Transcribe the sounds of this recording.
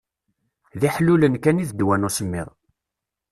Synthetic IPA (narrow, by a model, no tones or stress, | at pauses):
ðiħlulənkæniðd̪wænusəmːɪ̰ðˤ